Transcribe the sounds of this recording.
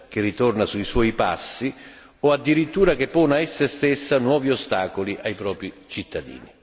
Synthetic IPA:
k̟ɪrit̪ornasuiswɔːjpa̰sːi | ɔad̪ːiɾit̪ːuːɾak̟epːɔːnaɛsːest̪esːanwɔːviost̪aːkoliʔajpɾɔːpɾit͡ʃit̪ːad̪ḭːni

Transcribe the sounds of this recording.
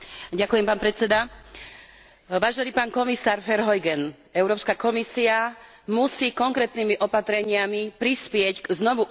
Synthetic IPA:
ɟakujɛmpaːnpɾɛt͡sɛd̪a | ʋaːʒɛniːpaːnkɔmisaːɾfɛɾɦɔjɡɛn | ɛʊɾɔːpskakɔmisia | musiːkɔŋkɾɛːt̪nimiʔɔpat̪ɾɛɲɪamipɾispɪɛcɡznɔʋu

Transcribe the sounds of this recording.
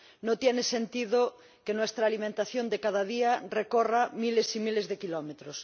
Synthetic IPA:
not̪jenesent̪iðo | kenwest̪ɾaːlimẽnt̪aθjond̪ekað̞aðiarekoramilesimilezðekilomet̪ɾos

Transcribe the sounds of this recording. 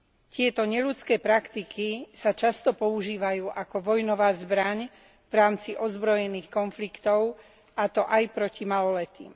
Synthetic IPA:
cɪɛt̪ɔɲɛʎut͡skɛːpɾakt̪ikisat͡ʃast̪ɔpɔuʒiːʋajuːʔakɔʋɔjnɔʋaːzbɾaɲ | vɾaːmt͡siʔɔzbɾɔjɛniːxkɔnflikt̪ɔʊ | at̪ɔʔajpɾɔcimalɔlɛt̪ḭːm

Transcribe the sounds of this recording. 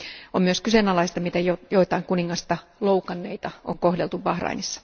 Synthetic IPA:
ommyøskysenɑlɑist̪ɑmit̪æjojoit̪ɑiŋkuniŋːɑst̪ɑloukɑnːeit̪ɑo̰ŋkohdelt̪uʋʋɑhrɑ̰inisːɑ̥

